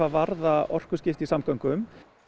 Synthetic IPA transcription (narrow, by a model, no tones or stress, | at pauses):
avaɾðaɔr̥kʏscɪft̪isamkœwŋkʏm